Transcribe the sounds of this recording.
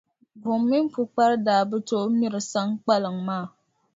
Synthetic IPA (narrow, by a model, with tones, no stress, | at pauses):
bʊ˨mːi˦m˦pu˨k͡pa˦ɾdaː˨˦bɨ˦to˦ʔmi˦ɾɨ˨sa˦ŋk͡pa˦lɨ˨ŋmaː˦˨